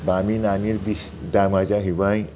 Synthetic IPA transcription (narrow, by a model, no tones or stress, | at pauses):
baminamiɾbis | d̪amad͡ʒaɦiʋaj